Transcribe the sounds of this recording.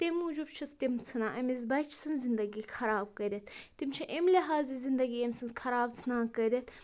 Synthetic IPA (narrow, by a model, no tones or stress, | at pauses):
t̪emud͡ʒubt͡ʃʰɨst̪imt͡sʰɨnaʔɐmizbɐjt͡ʃʰt͡sʰɨnzind̪ɐɡiːxɐɾaːb̚kəɾʲet̪ʰt̪imt͡ʃʰɐʔemlʲiɦaːzizind̪ɐɡiemʲsʰɨnxʰɐɾaːbt͡sʰɨnaːkəɾʲet̪ʰ